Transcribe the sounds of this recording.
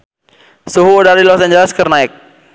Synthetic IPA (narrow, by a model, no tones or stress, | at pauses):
suɦuːdaɾilɔsaɲd͡ʒɛlɛskərnaɪk̚